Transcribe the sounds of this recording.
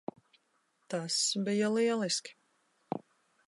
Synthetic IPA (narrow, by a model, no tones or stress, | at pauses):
t̪asbijaliɛlˠiskʲi̥